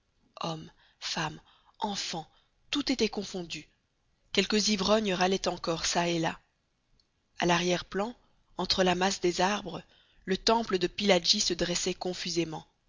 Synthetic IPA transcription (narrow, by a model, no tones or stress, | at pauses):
ɔm | fam | ɑ̃fɑ̃ | t̪ut̪et̪ɛkɔ̃fɔ̃d̪y | kʲɛlkəzivʁɔɲʁalɛt̪ɑ̃kɔʁsaela | a̰laʁjɛʁplɑ̃ | ɑ̃t̪χəlamasd̪ezaʁbʁə | lət̪ɑ̃pləd̪əpilad͡ʒisəd̪ʁɛsɛkɔ̃fyzemɑ̃